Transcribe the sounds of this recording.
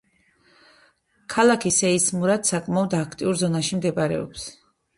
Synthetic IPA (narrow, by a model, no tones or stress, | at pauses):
kʰalˠakʰisɛismuɾad̪sakʼmaɔd̪akʰt̪ʼiuɾzɔnaʃimd̪ɛbʼaɾɛ̰ɔ̰ps